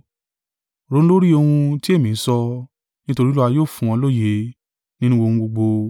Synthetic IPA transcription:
ɾõ˦lo˦ɾi˦o˧hũ˧ti˦e˦˨mĩ˨n̩˦sɔ˧ | nĩ˦to˧ɾi˦lu˦a˧joː˦˨fũ˨˧ɔ̃˧lo˦˨je˦ | nĩ˦nũ˦ɡ͡bo˧hũ˧ɡ͡bo˧ɡ͡bo˧

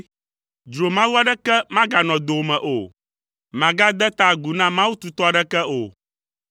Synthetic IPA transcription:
d͡ʒɾo˨mã˦wu˦a˦ɖɛ˦kɛ˦mã˦ɡa˨nɔ̃˨d̪o˨mɛ̃˨ʔo˨ | mã˨ɡa˦d̪ɛ˦t̪a˦ɡu˨nã˦mã˦wu˦t̪u˨t̪ɔ˦a˨ɖɛ˦kɛ˦o˨

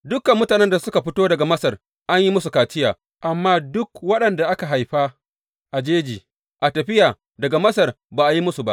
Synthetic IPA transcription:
dʊ˦kɐ˨mːʊ˦taː˨nɛ˦nda˨sʊ˦ka˨ɸɪ˦toː˦dɐ˨ɡa˨mɐ˦sɐ˨r | ʔa˦ɲji˦mʊ˦su˨kaː˨tɪ˦jaː˨ | ʔa˨mːaː˦dʊ˦kwɐ˦ɗɐ˨nda˨ʔa˦ka˨ɦa˨jɸa˦ | ʔa˨d͡ʒeː˦d͡ʒiː˨ | ʔa˨tɐ˨ɸɪ˦jaː˨ | dɐ˨ɡa˨mɐ˦sɐ˨r | baː˨ʔa˨ji˦mʊ˦su˨ba̰˦ʔ

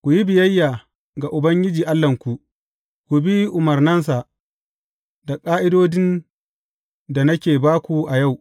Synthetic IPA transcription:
kʷu˨ji˦bɪ˨jɐ˦jːaː˨ | ɡa˨ʔʊ˨bɐ˦ŋɡʲɪ˦d͡ʒiː˨ʔa˦lːɐ˨ŋkʷu˨ʔ | kʷu˨bi˦ʔʊ˨mɐ˨rnɐ˦nsa˨ | da˨kʼaː˦ʔɪ˦doː˦dɪ˦n | da˨nɐ˦kʲeː˨baː˦kʷu˨ʔa˨ja˦˨w

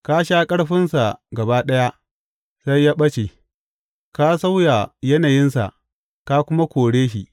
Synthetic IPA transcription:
ka˦ʃaː˦kʼɐ˦ɽɸɪ˦nsa˨ɡɐ˨baː˦ɗɐ˦ja˦ | sa˦jːaː˦ɓɐ˦t͡ʃe˨ | ka˦sa˦wja˨jɐ˦naː˨jɪ˦nsa̰˨ʔ | ka˦kʷʊ˦ma˦kʷoː˨ɽeː˦ʃḭ˨ʔ

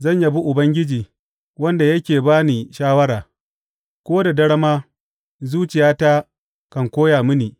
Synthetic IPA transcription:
zɐ˦˨ɲja˦bu˦ʔʊ˨bɐ˦ŋɡʲɪ˦d͡ʒiː˨ | wɐ˦nda˨jɐ˦kʲeː˨baː˦ni˨ʃaː˦wɐ˦ɾaː˨ | kʷoː˦da˨dɐ˦ɽɐ˦maː˦ | zuː˦t͡ʃɪ˨jaː˦ta˦ | kɐ˨ŋkʷoː˦jaː˨mɪ˦niː˨

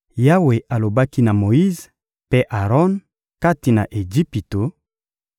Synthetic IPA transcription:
ja˦we˨ʔa˨lo˨ba˦ki˦na˨mo˨i˦z | pe˦ʔa˨ʁɔ˦n | ka˦ti˨na˨ʔe˨d͡ʒi˦pi˨to˨

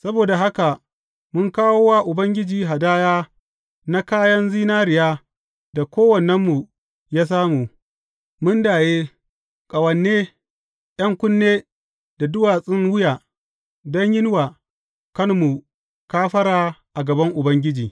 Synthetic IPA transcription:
sɐ˦boː˨da˨ɦa˦ka˨ | mʊ˦ŋkaː˦woː˦waː˦ʔʊ˨bɐ˦ŋɡʲɪ˦d͡ʒiː˨ɦa˨daː˦jaː˦ | na˦kaː˦jɐ˦nziː˦naː˦ɾɪ˨jaː˦ | da˨kʷoː˦wɐ˨nɛ˦mːu˨ | jaː˦s̬aː˦mu˨ | mʊ˦ndaː˨jeː˦ | kʼɐ˨wɐ˨nːeː˦ | j̰ɐ˦ŋkʷʊ˦nːeː˦ | da˨dʊ˦waː˨sʼɪ˦ŋwʊ˦jaː˨ | dɔ˦ɲjɪ˦n˦waː˨ | kɐ˦nmːu˨ | kaː˦ɸɐ˦ɾaː˨ʔa˨ɡɐ˨bɐ˦ŋʔʊ˨bɐ˦ŋɡʲɪ˦d͡ʒiː˨

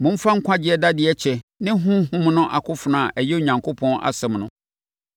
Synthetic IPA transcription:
mʊ̃˨m̩˦fã˦ŋ̩˦kʷʰã˦d͡ʑɪ˦ɛ˦da˦dɪ˨ɛ˦t͡ɕʰɛ˨nɪ̃˦ɦʊ̃˦ɦʊ̃˦mnʊ̃˦ʔa˨kʰʊ˦fʊ˨nã˨ʔɛ˨jɛ˦o˨ɲã˨ŋkʰo˦pʰɔ̃˦nʔa̰˨sɛ̃˨mnʊ̃˦

